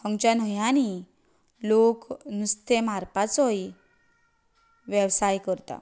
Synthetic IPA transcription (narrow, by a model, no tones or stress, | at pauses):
əŋt͡ɕanɔjani | loknust̪emaɾpat͡sɔji | ʋjəʋsajkəɾt̪a̰